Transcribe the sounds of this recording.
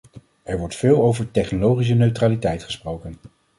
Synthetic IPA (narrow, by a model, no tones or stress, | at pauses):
ɛɹʋɔɹtfɪːlˠowvəɹtɛχnolowχis̬ənøɥtraːlitɛjtχə̥sprowkən